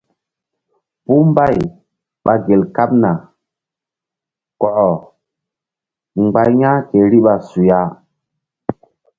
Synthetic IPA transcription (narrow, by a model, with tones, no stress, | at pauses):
pu˦mba˦˨j | ɓa˨ɡe˨lka˦p̚na˨ | kɔ˨ʔɔ˨ | ŋ͡mɡ͡ba˦jɲã˦ke˨ɾi˦ɓa˨su˨ja˦